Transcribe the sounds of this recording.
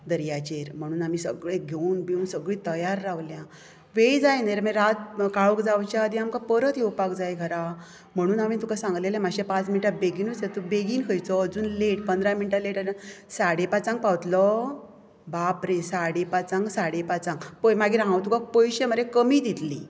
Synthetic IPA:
d̪əɾjat͡ɕeɾm̤əɽ̃uːnamisəɡɭẽɡʱeunbeunsəɡɭĩt̪əjaɾːaʋljã | ʋejd͡zajnaɾmeɾat̪̚kaɭəkd͡zawt͡ɕad̪iamkapəɾət̪jewpakd͡zajɡʱəɾa | m̤əɽ̃uːnamit̪ukasãŋɡlelemaɕepãt͡sminiʈabeɡinut͡set̪ubeɡiːnkʰəjt͡sɔəd͡zuːnleʈpənd̪ɾaminiʈaleʈaɾsaɽepat͡sãŋɡ̚pawt̪lɔ | bapɾesaɽepat͡sãŋɡsaɽepat͡sãŋɡpəmaɡiɾaɦãwt̪ukak̚pojɕeməɾekəmid̪ʱit̪lḭ

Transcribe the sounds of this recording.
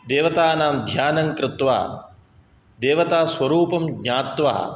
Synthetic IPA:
d̪eːʋɐt̪aːnaːmd̪ʱjaːnɐŋkɾɪt̪ʋa̰ː | d̪eːʋɐt̪aːswɐɾuːpɐmɡɲaːt̪ʋa̰ː

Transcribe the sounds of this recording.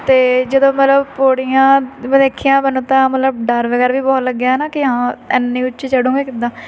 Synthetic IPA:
t̪eːd͡ʒəd̪õːmət̪ləbpoːɽijãːmːd̪eːkʰijãːbənõːt̪ãːmət̪ləb̚ɖəɾʋəɡɛːɾʋiːbɔːt̪ləɡːjaːɛːnaːkɪɦãːɪnːĩːʊt͡ʃet͡ʃəɽũːɡeːkɪnd̪aː

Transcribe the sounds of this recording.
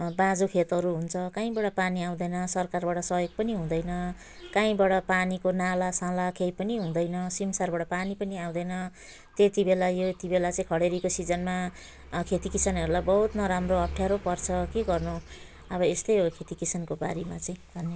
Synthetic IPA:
bãd͡zokʰet̪ɦʌɾuɦunt͡sʰʌkãĩbaɽʌpaniaw̃d̪ʌjnʌsʌrkarbaɽʌsʌjoɡ̚pʌniɦũd̪ʌjnʌ | kãĩbaɽʌpanikonalasãlakʰejpʌniɦũd̪ʌjnʌsimsarbaɽʌpanipʌniaw̃d̪ʌjnʌ | t̪et̪ibelajoet̪ibelat͡sʌĩkʰʌɽeɾikosid͡zʌnma | kʰet̪ikisʌnɦʌɾulajbʌɦut̪nʌɾamroʌp̚ʰʈʰjaɾopʌrt͡sʰʌkeɡʌrnu | ʌβʌest̪ʌjokʰet̪ikisʌnkoba̰ɾima̰t͡sʌĩb̪ʱʌnːe

